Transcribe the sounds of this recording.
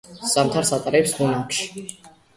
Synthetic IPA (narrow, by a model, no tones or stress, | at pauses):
samt̪ʰaɾsat̪ʼaɾɛpsmunakʰʃi̥